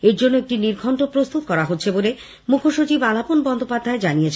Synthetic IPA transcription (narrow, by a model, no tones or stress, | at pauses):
eɾd͡ʑonːoek̚ʈiniɾɡʱɔɳʈopɾost̪ut̪̚kɔɾaɦotːɕʰebole | mukʰoʃut͡ɕibalaponbɔnd̪ʱopad̪ʱːaed͡ʑanijet͡ɕʰ